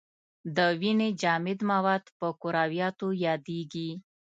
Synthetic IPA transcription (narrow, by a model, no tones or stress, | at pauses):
d̪əwined͡ʒɑmɪd̪mawɑd̪pəkʊɾɑwjɑt̪ojɑd̪eɡi